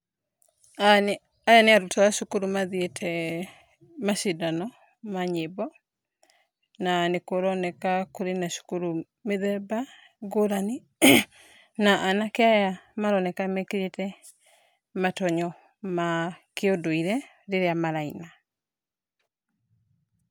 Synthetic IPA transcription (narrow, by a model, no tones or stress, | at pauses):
ajaneaɾotaaʃokuɾumaðietʰɛ | maʃidanɔ | maɲebɔ | nanekoɾɔnɛkakoɾenaʃo̥kuɾu | meðɛba | ɡoɾane | naʔanakeajamaɾɔnɛkamɛkeɾetɛ | matɔɲɔ | makeodoiɾɛ | ɾeɾeamaɾaina